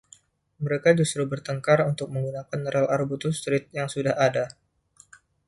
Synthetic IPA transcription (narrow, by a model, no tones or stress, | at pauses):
məɾekad͡ʒust̪ɾubərt̪əŋkarunt̪ʊk̚məŋɡunakanɾəlʔarbut̪ust̪ɾɪt̪̚jaŋsudahada